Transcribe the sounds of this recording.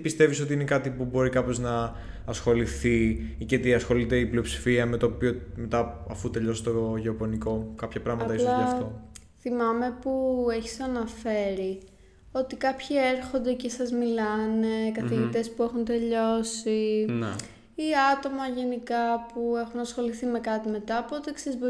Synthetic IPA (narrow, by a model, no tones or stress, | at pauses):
pist̪e̞viso̞t̪iinekɐt̪ipubo̞ɾikɐpo̞znɐː | sxo̞liθiicet̪iɐsxo̞lit̪e̞ipliopsi̥fiɐmet̪o̞ːpio̞me̞t̪ɐɐfut̪e̞ʎo̞si̥t̪oʝeopo̞niko̞kɐpçɐpɾɐɣmɐt̪ɐislɐɐft̪o | θimɐme̞pueçi̥sɐnɐfe̞ɾi | o̞t̪ikɐpçie̞ɾxo̞nd̪e̞cesɐzmilɐne̞kɐθiʝit̪e̞spue̞xunt̪e̞ʎo̞sin | iɐt̪o̞mɐʝe̞nikɐpue̞xunɐsxo̞liθime̞kɐt̪ime̞t̪ɐːpot̪eksizbo